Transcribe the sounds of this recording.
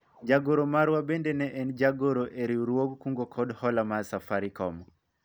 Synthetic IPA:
d͡ʒaɡoɾomaɾwabendɛnɛʔɛnd͡ʒaɡoɾoʔeɾiuɾwoɡkuŋɡokʰɔdhɔlamasafaɾikɔmɔ

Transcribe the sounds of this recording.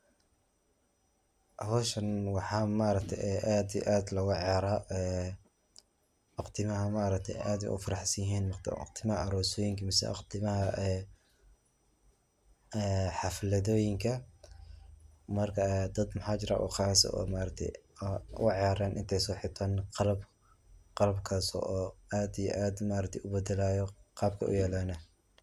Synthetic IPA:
ʔɐhɔːʃɐnwɑħɑːmaʔɾɐk̚t̪ʰɛ̰ʔɛʔaːd̪ḭʔaːd̪lɐɣʊʕɑɾaːɛ | ʔɑqt̪ʰɪmɐɦɐmaɾɐk̚t̪ʰɛ̰ʔaːd̪ḭʔʊ̰fɑɾɑħsɐjɪɦiːnmt̪qt̪ʰɪmɐhɐʔɐɾɔːsɔːjɪŋkʰɐmɪsɛ̰ʔɑ̰qt̪ʰɪmɐhɐʔɛ | ɛħɑflɐðɔːjɪŋkʰɐ | mɐrkʰɐd̪ɐd̪mɐħɑːt͡ʃɪɾa̰ːʔṵqɑːsɔ̰ɔ̰ːmaʔɾɐk̚t̪ʰɛ̰jʊ̰ɑʕjaːɾaːnʔɪ̰nt̪ʰɛjsɔːħɪt̪ʰaːnqɑlɐb | qɑlɐbkʰasɔ̰ʔɔːaːd̪ijɔ̰ʔaːd̪maːɾɐk̚t̪ʰɛjʔʊbɛd̪ɛlaːjɔqɑːb̚kʰɐ̰ʔʊ̰jɛːlɔːnɐ

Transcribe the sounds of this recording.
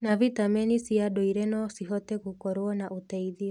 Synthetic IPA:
navit̪amɛnisiaɗɔiɾɛnɔsiɦɔtɛkukɔɾoɔnaʔut̪ɛiðiɔ

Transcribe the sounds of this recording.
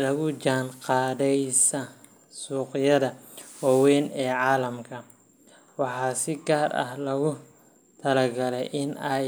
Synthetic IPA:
lɐɣʊd͡ʒaːnqɑːðɛjsɐ | suːqɪjɐðɐwɑwɛːnɛːʕɑːlɐmkʰɐ | wɑħɑːsɪɡaːrɐ̰hlɐɣʊ | t̪ʰɐlɐɡɐlɛ̰jʔɪnɛj

